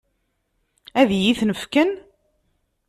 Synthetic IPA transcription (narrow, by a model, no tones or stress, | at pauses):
æðjiθnəfkən